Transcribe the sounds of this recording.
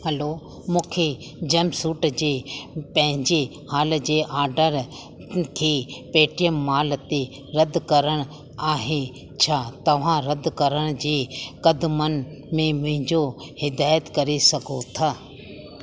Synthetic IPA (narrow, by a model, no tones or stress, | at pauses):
həlo | mũːkʰe | d͡ʑɐmsuːʈd͡ʑeːpɐ̃ɦɪ̃ɲd͡ʑe | haːld͡ʑeːʔaːɾɖəɾ | kʰeːpeːʈɪjəmːaːlt̪e | ɾɐd̪kɐɾəɽ̃ | aːɦe | t͡ɕʰaːt̪ɐʋ̤ãɾɐd̪kɐɾəɽ̃d͡ʑiːkɐd̪mənmẽmʊ̃ɦɪ̃ɲd͡ʑohɪd̪aːjət̪kɐɾesɐɡʱot̪ʰaː